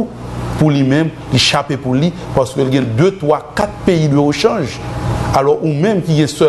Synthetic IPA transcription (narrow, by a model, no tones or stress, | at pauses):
pulimɛ̃m | liʃapepuli | paʁskølɡɛ̃d̪øt̪wakat̪̚peidweoʃʌ̃ʒalɔʔumɛ̃mkiɡɛ̃sɛ